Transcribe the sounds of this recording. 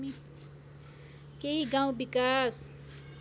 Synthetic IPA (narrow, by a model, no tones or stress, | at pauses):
mit̪ | keɦiɡãw̃bikas